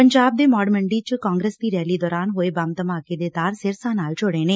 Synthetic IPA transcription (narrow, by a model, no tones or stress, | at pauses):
pəɲd͡ʒaːb̚d̪emɔːɖməɳɖit͡ʃkãːŋɡɾest̪iːɾɛːlid̪ɔːɾaːnɦoːebaːmt̪əmaːked̪ed̪aːɾseɾsaːnaːlt͡ʃʰoːɽeneː